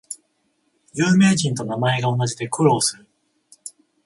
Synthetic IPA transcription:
jɯːme̞ːd͡ʑĩnt̪o̞namae̞ɡao̞nad͡ʑʑid̪e̞kɯ̟ɾo̞ːsɨɾɯ̟

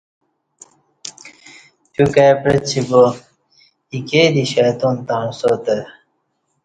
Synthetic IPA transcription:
t͡ɕukaːpɾet͡ɕʰibo | ikeːd̪iɕaːt̪ont̪aːɳsot̪e

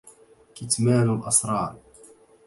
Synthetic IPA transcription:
kɪt̪maːnʊlʔɑsɾˤɑːɾˤ

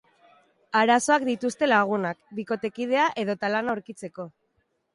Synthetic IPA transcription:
aɾaso̞akd̪it̪ust̪e̞laɣ̞unakbiko̞t̪e̞kið̞e̞aʔe̞ðo̞t̪alanaoɾkit͡se̞ko̞

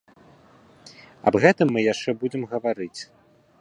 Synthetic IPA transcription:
ɐ̰bɣɛt̪ɨmːɨjaʂt͡ʂɛbud͡zʲɛmɣɐvaɾɨt͡sʲ

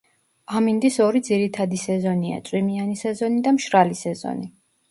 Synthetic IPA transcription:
amind̪isɔɾid̪ziɾit̪ʰad̪isɛzɔnia̰t̪sʼwimianisɛzɔnid̪amʃɾalisɛzɔ̰ni

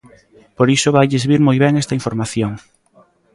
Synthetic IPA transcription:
poɾisoβajʎezβiɾmojβɛŋɛst̪ɐiɱfoɾmaθjoŋ

